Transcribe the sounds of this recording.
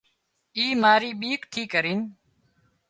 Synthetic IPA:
iːmaːɾiːɓiːkʈ̪ʰiːkəɾiːn

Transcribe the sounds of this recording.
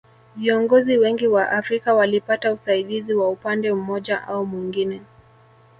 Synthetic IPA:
viɔŋɡɔziwɛŋɡiwaʔafɾikawalipatausaiɗiziwaupandɛumɔʄaʔaumwiŋɡinɛ

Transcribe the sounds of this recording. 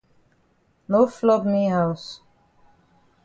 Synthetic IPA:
noflɔbniɦaʊs

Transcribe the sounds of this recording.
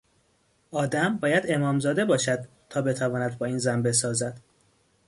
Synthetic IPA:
ʔɒːd̪æmbɒːjæd̪e̞mɒːmzɒːd̪ebɒːʃæd̪̥ | t̪ʰɒːbe̞t̪ʰævɒːnæd̪̚bɒːiːnzænbe̞s̬ɒːzæd̪̥

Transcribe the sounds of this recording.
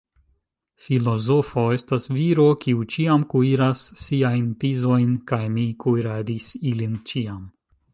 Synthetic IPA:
filo̞zo̞fo̞e̞stasviɾo̞kiut͡ʃiamkuiɾasːiajnpizo̞jnkajmikʰujɾadisilint͡ʃiam

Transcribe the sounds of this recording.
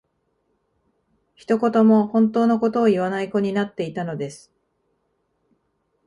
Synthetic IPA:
çi̥t̪o̞ko̞t̪o̞mo̞hõ̞nt̪o̞ːno̞ko̞t̪o̞ːiβanaiko̞ɲ̟inat̪ːe̞it̪ano̞d̪e̞sɨ̥

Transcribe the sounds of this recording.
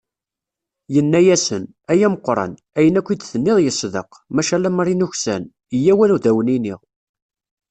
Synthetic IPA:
jənːæjæsən | æjæməqːɾˤɑ̰n | æjənækʷːid̪θənːɪðˤjəsðə̰q | mæʃælæmɾˤinuçsæ̰n | əjæwænuðæwəniniʁ

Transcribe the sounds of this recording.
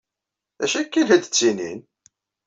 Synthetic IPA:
æʃækːilhæd̪ət͡sːinḭn

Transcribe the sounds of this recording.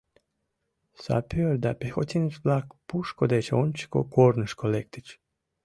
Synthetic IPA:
sa̰pʰioɾd̪apʲexot̪ʲinit͡ʃblakpuʃkod̪et͡ʃonʲt͡ʃi̥ko̰koɾnɨʃkolek̚t̪it͡ʃ

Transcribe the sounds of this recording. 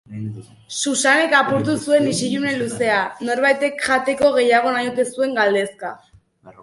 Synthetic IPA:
susane̞kapuɾt̪̬usue̞nisiʎune̞luse̞ano̞ɾβajt̪e̞kʝat̪e̞ko̞ɣ̞e̞jaɣ̞o̞najot̪e̞sue̞ŋɡald̪e̞ska

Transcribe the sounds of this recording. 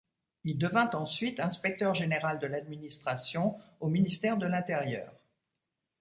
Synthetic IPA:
ild̪əvɛ̃t̪ɑ̃sɥit̪ɛ̃spɛk̚t̪œʁʒeneʁald̪əlad̪minist̪χasjɔ̃ominist̪ɛʁd̪əlɛ̃t̪eʁjœ̰ːʁ

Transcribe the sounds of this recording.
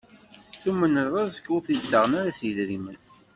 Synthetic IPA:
θumːənːəɾðˤɑzə̥kːʊθit͡sːəʁənaɾasjlɾimən

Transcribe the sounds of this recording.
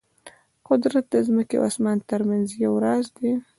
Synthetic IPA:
qʊd̪ɾat̪̚d̪əzməkḛʔa̰smant̪əɾmanzjawɾɑzd̪e

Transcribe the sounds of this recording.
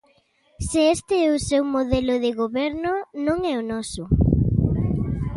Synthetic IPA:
sɪɛst̪ɪɛʊsewmoðɛlʊðɪɣoβɛɾnʊnõŋɛʊnɔsʊ

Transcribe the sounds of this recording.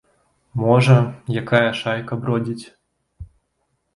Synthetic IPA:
mɔʐɐjakajɐʂajkɐbɾɔd͡zʲit͡sʲ

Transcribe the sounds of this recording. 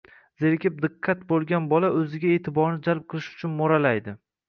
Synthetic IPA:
z̥eɾkʲɪp̚d̪ɪqʰːɑt̪bolˠɡʲanbɒlaʔɵzɪɡʲaeːt̪ʰɪbɒɾnɪd͡ʒalˠp̚qʰɨlˠɪʃʊ̥t͡ʃʰʊnmoɾalajd̪ɪ

